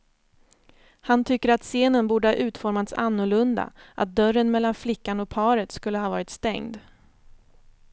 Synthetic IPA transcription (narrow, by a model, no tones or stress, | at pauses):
hant̪ʰʏkːəɾat̪seːnənbuːɖəhɑːʔʉ̟ːt̪fɔɾmat̪sa̰nːʊɭɵnd̪a̰ʔa̰t̪̚d̪œɾənmɛlːanflɪkːanɔk̚pʰɑːɾət̪skɵlːəhɑːvɑːɾɪt̪st̪ɛŋd̪